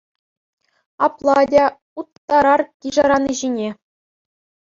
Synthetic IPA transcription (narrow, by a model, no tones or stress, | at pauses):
ɑ̰plˠɑdʲɑ | ut̪ːɑɾɑrkʲiʐɑɾɑniʑinʲe